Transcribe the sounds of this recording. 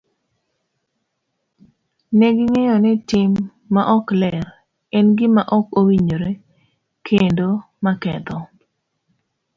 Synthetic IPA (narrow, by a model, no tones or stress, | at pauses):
nɛɡɪŋejɔnɛtɪmː | aʔɔklɛɾ | ɛnɡɪmaʔɔkowiɲoɾe | kʰendo | makɛ̰t̪ɔ